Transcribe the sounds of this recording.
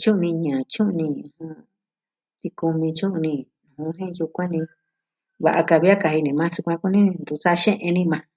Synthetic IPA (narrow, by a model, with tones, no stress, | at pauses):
t͡ʃũ˦˧nĩ˧ɲã˨t͡ʃũ˦ʔnĩ˧hã˧ | t̪i˧ku˧mĩ˧t͡ʃũ˦ʔnĩ˧˨ | ũ˨hũ˧˦ɦĩ˦˧ju˧kʷã˦nĩ˧ | βa˧ʔa˧ka˧βi˦a˦ka˧hi˧nĩ˨˧mã˦su˧kʷã˧ku˦nĩ˦˧nd̪u˧˨sa˦˧ʃẽ˦ʔẽ˧nĩ˦˧mã˧